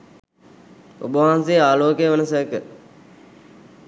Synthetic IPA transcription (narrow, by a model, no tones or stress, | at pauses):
ṵbəʋãːnseːaːloːkejəʋənəsəəkə